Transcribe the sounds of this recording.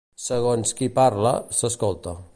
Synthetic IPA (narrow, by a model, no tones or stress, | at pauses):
səɣ̞onskipaɾlə̰səskolˠt̪ə